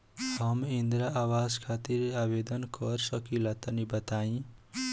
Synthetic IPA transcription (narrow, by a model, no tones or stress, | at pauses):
ʌmind̪ɾaʔawaskʰat̪iɾabed̪ʌnkʌrsʌkilat̪ʌnibʌt̪aĩ